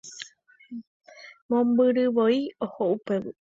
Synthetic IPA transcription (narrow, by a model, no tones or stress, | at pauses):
mõmbɨɾɨʋoiohoʔupe